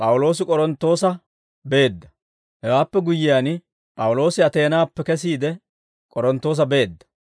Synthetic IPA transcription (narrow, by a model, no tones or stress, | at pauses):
pʼɐwʊlo̞ːs̬ɪkʼɔɾɔnt̪ːo̞ːsɐ | be̞ːd̪ːɐ | hɛwaːpːɛɡʊjɪjan | pʼɐwʊlo̞ːsɪɐt̪e̞ːnaːpːɛkɛs̬iːd̪ɛ | kʼɔɾɔnt̪ːo̞ːs̬ɐbe̞ːd̪ːɐ̥